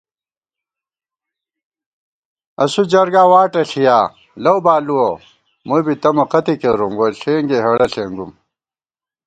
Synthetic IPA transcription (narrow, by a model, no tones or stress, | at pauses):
ɐsud͡ʑɐɾɡaːwaːʈɐɬijaː | lɐwbaːluwo | mubit̪ɐmɐqɐt̪ikeɾumɡoɬeːŋɡeɦɐɽɐɬeŋɡum